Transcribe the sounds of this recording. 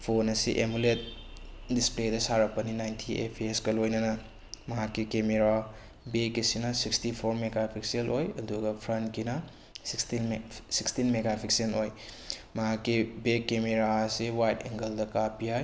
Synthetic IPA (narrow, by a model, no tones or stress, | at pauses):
pʰonɐsiʔemulet̚displedɐsaɾɐpːɐninajntʰiḛpʰeskɐlojnɐnɐ | mɐɦakːikemeɾa | bekːisinɐsikstipʰoɾmeɡapʰikselʔojɐduɡɐpʰɾɐntkinɐ | skstinsikstinmeɡapʰiksenoj | mɐɦakːibekːemeɾasiwajteŋɡɐldɐkapiɦaj